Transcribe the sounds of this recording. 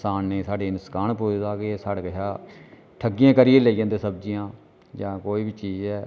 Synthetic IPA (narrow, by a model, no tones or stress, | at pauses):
saːnːeːsaːɖeːnəskaːɳpoːd̪aːkesaːɽekəɦaː | ʈʰəɡɪjãːkəɾɪjeːleːiɡãːnd̪eːsəb̚d͡ʒɪjãː | d͡ʒãːkoːiːbit͡ʃiːd͡ʒɛː